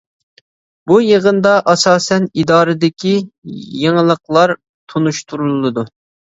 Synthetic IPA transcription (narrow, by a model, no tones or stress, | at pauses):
bujeʁənd̪ɑʔɑsɑːsɛnid̪ɑːɾɨd̪ɪkʲʰijeŋəlˠəqlˠɑɾ | t̪ʰonuʃt̪ʰuɾulˠlˠːɨd̪u